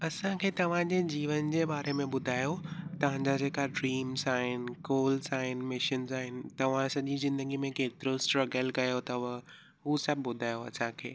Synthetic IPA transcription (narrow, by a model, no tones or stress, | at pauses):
ɐsãkʰeːt̪ɐʋ̤ãd͡ʑed͡ʑiːʋənd͡ʑeːbaːɾemẽɓʊd̪ʱaːjot̪ɐʋ̤ãɲd͡ʑad͡ʑeːkaɖɾiːmzaːɦɪnkoːlzaːɦɪn̆mɪʃənzaːɦɪnɪ̆t̪ɐʋ̤ãsɐʄizɪ̃nd̪əɡimẽkeːt̪ɪɾosʈɾɐɡəlkɐjot̪ɐʋɐ | ɦusɐbʱɪbʊd̪ʱaːjoɐ̰sãkʰḛː